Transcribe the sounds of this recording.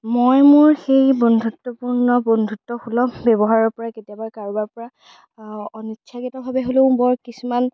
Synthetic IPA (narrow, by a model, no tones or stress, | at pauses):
mojmʊɹxejbɔndʱutːɔpuɹnɔbɔndʱutːɔxulɔbɛbɔɦaɹɔɹpɔɹaketiɔbaɹkaɹubaɹpɔɹa | ɔnitːʃʰaɡitɔbʱabɛɦolʊ̃ʊ̃bɔɹkisuman